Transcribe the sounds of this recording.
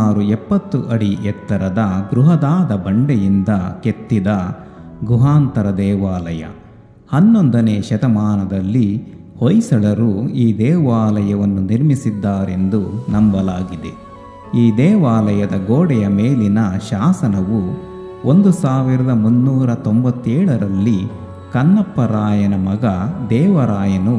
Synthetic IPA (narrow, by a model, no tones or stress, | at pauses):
aːɾuɛpːɐt̪ːuʔɐɽiɛt̪ːɐɾɐd̪ɐɡɾuɦɐd̪aːd̪ɐbɐɳɖɛjind̪ɐket̪ːid̪ɐɡɾuɦaːnt̪ɐɾɐd̪ɛːʋaːlɐjɐ̰ | hɐnːond̪ɐneːʃɐt̪ɐmaːnɐd̪ɐlːi | hojsɐɭɐɾuiːd̪ɛːʋaːlɐjɐʋɐnːuniɾmisid̪ːaːɾe̞nd̪unɐmbɐlaːɡid̪e̞ | iːd̪ɛːʋaːlɐjɐd̪ɐɡoːɽɛjɐmeːlinɐʃaːsɐnɐʋu | ond̪usaːʋiɾɐd̪ɐmunːuːɾɐt̪ombɐt̪ːɛːɭɐɾɐlːi | kɐnːɐpːɐɾaːjɐnɐmɐɡɐd̪ɛːʋɐɾaːjɐnu